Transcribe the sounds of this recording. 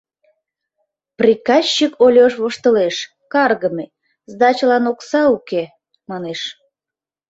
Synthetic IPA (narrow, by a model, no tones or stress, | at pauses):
prʲikɑɕːikʰolʲoʃβoʃt̪əleʃ | kɑrɣəme | zd̪ɑt͡ɕəlɑnoksɑuke | mɑneʃ